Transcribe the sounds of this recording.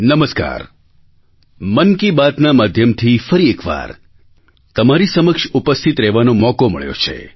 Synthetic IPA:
nəməska̰ɾ | mənkibat̪namad̪ʱjəmt̪ʰifəɾiekʋa̰ɾ | t̪əmaɾisəməkʂupəst̪ʰit̪ɾɛʋanõmɔkomə̰ɭjo̰t͡ʃʰḛ

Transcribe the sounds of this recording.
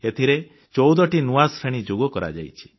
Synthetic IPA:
et̪ʰiɾe | t͡ʃɔwd̪ɔʈinuaspʰeɽ̃id͡ʒoɡɔkɔɾa̰d͡ʒa̰jt͡ʃʰi̥

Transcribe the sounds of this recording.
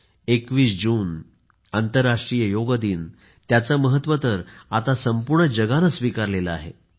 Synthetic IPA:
ekʋiːsd͡ʑuːn | ant̪əɾːaʂʈɾijəjoɡd̪iːn | t̪jat͡səməɦət̪ːʋət̪əɾat̪asəmpuɾɳəd͡ʑəɡanəsʋikaɾleləa̰ɦḛ

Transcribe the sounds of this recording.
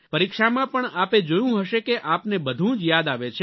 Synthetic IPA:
pəɾikʃamãpəɳaped͡ʒojũɦəʃekeʔapnebəd̪ʱũd͡ʒjad̪aʋet͡ʃʰe

